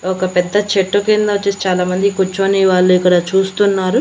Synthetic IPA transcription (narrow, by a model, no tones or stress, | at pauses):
ɔkɐpɛd̪ːɐt͡ʃeʈːukend̪ɐɐt͡ʃːest͡ʃaːlaːmɐnd̪ikut͡ʃːoːniʋaːɭːuikːɐɽɐt͡ʃuːst̪unːaːɾu